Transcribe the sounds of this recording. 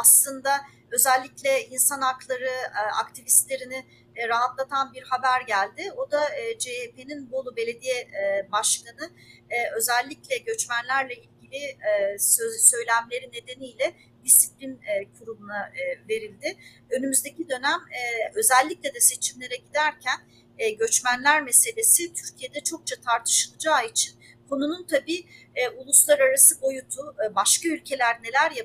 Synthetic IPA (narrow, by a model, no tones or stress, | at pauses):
aslˠɯnd̪a | ø̞zælʲːiclʲɛinsanaklˠaɾɯa̰kt̪ʰivist̪lʲeɾinɪ | ɾaɦat̪lˠat̪ʰanbiɾhabæɾɟælʲd̪ɪo̞d̪ad͡ʒepeninbo̞lˠube̞lʲe̞d̪ijɛbaʃkanɯø̞zælʲːiclʲɛɟø̞t͡ʃmænlʲæɾlʲɛilʲɟilʲɪ | sø̞jlʲæmlʲe̞ɾinːe̞d̪e̞nijlʲɛ | d̪isiplʲinɛkʰuɾumunave̞ɾilʲd̪ɪ | ø̞nymyzd̪e̞cid̪ø̞næmɛø̞zɛlʲːicʲlʲed̪ɛse̞t͡ʃʰimlʲe̞ɾɛɟid̪æɾcʰænː | ɟø̞t͡ʃmænlʲæɾme̞se̞lʲe̞sit̪ʰyɾcʰije̞d̪ɛt͡ʃʰo̞k̚t͡ʃʰat̪ʰaɾt̪ʰɯ̥ʃɯlˠɯd͡ʒaːit͡ʃʰinkʰo̞nununt̪ʰabiːulˠuslˠaɾaɾasɯbo̞jut̪ʰubaʃkaylʲcʰe̞lʲæɾne̞lʲæɾja